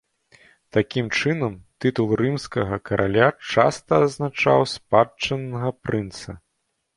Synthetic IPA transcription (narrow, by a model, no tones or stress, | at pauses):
t̪akʲimt͡ʂɨnɐmt̪ɨt̪ulˠrɨmskɐɣɐkɐɾʔalʲat͡ʂa̰st̪ɐːznat͡ʂa̰wspat͡ʂːɐnːɐɣɐpɾɨnt̪sɐ